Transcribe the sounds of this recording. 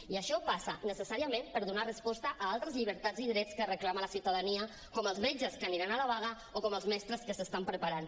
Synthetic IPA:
iəʃɔpasənəsəsaɾiəmempəɾðunarəspɔst̪əʔaalˠt̪ɾəzʎiβəɾt̪ad͡ziðɾɛt͡skərəklamələsiwt̪aðəniə | kɔməlˠzmed͡ʒəskəniɾanaləβaɣ̞ə | okɔməlˠzmɛst̪ɾəskəsəst̪ampɾəpaɾan

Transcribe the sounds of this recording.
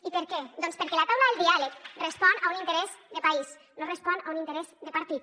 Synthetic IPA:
ipeɾkɛd̪ɔnspeɾkɛlat̪awlaðelˠd̪ialekrespɔnaunint̪eɾɛzd̪epais | norespɔnaunint̪eɾɛzd̪epaɾt̪it̪

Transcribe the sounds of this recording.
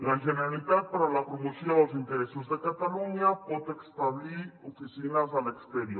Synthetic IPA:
laʒeneɾalit̪at̪̚paɾalapɾomosjõðelzint̪eɾesozðekat̪aluɲapɔt̪ekst̪aβiɾofisinazalekst̪eɾjo

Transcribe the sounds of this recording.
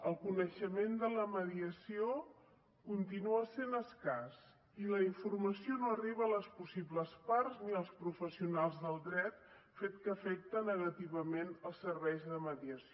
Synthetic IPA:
əlˠkunəʃəmend̪ələməðiəsio | kunt̪inuəsenəskas | iləiɱfurməsionoəriβəːləspusiβləsparzniəlˠspɾufəsiunalˠzðəlˠd̪ɾɛt̪ | fet̪kəːfɛk̚t̪ənəɣət̪iβəmenəlˠsərβɛjzðəməðiəsio

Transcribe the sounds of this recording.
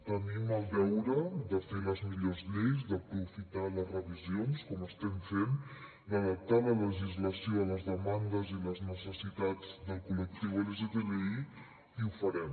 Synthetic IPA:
t̪əniməlˠdɛwɾəd̪əfeləzmiʎozʎejzdəpɾufit̪alərəβizionskɔməst̪ɛmfen | d̪əðəp̚t̪alələʒizləsioləzðəmand̪əziləznəsəsit̪ad͡zd̪əlˠkulək̚t̪iwələzət̪eβei | iufəɾɛm

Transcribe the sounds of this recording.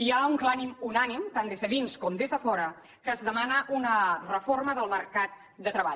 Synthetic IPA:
iauŋklanimunanimt̪and̪ezðəðinskɔmd̪ezðəfɔɾə | kəzðəmanəʔunərəforməðəlˠməɾkat̪ | d̪ət̪ɾəβa̰ʎ

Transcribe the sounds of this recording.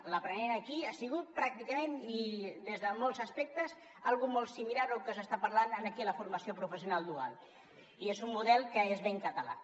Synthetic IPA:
ləpɾəneɾəːkiasiɣ̞ut̪̚pɾak̚t̪ikəmẽnid̪ezðəmoɔlˠzəspɛk̚t̪əz | alˠɣumolˠsimilaɾokəsəst̪apəɾlanənəkiələfuɾməsiopɾufəsiunalˠd̪ua̰lˠ | iezumːuðɛlˠkəezβeŋkət̪əla̰

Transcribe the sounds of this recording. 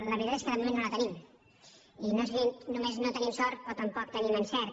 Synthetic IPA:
ləβɾit̪at̪eskəðəmumẽnːolət̪ənim | inozβinumeznot̪ənimsɔɾt̪̚pot̪əmpɔk̚t̪ənimənsɛɾ

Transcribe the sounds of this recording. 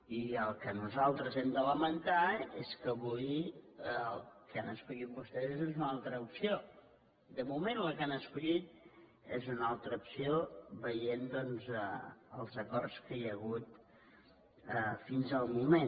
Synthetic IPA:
iəlˠkənuzalˠt̪ɾəzɛmd̪ələmənt̪aeskəβuj | lˠkanəskuʎit̪̚bust̪ɛzzezunalˠt̪ɾəupsio | d̪əmumẽnləkanəskuʎit̪̚ | ezunalˠt̪ɾəupsioβəjend̪ɔnzəəlˠzəkɔrskəjəɣut̪ | əfinzəlˠmume

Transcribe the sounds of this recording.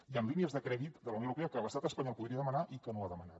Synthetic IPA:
iəmliniəzðəkɾɛðit̪d̪ələwnoəwɾupeəkələst̪at̪əspaɲɔlˠpuðɾiəðəmənaʔikənoaðəməna̰t̪

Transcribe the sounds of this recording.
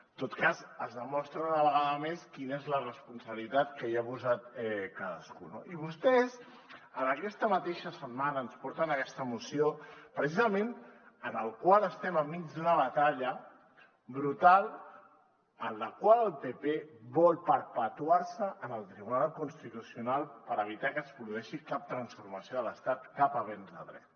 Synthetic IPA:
t̪ot̪kazəzðəmɔst̪ɾəunəβ̞əɣaðəmeskinezlərəspunsəβlit̪at̪kəiaβuzat̪ɛkaðə̰skuno̰iβ̞ust̪ɛz | ənəkɛst̪əmət̪eʃəsəmmanəːnspɔɾt̪ənəkɛst̪əmusiopɾəs̬izəmen | ənəlˠkwaləst̪ɛməmːid͡ʒd̪unəβ̞ət̪aʎə | bɾut̪al | ənləkwaləlˠpepeβɔlˠpəɾpət̪uaɾsəʔːnəlˠt̪ɾiβunalˠkunst̪it̪usiunalˠpəɾəβ̞it̪akəspɾuðuɛʃikap̚t̪ɾənsfuɾməsioðələst̪at̪kapəβ̞ɛnzðə̰ðɾɛ̰t̪

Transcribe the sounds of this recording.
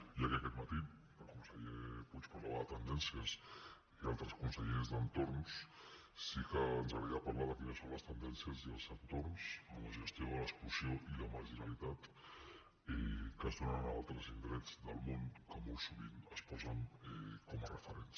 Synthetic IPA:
iəkeəkɛt̪mət̪i | əlˠkunsəʎeput͡ʃpaɾlaβəðət̪ənd̪ɛnsiəs | ialˠt̪ɾəskunsəʎezðənt̪ornsː | ikəːnzəɣɾəðiapaɾlaðəkinəsonləst̪ənd̪ɛnsiəziəlˠzənt̪ornsəmləʒəst̪ioələksklusioʔiləməɾʒinəlit̪at̪ | ɛkəzðonənalˠt̪ɾəzind̪ɾɛd͡zðəlˠmonkəmolˠsuβḭnəspɔzənɛkɔmərəfəɾens

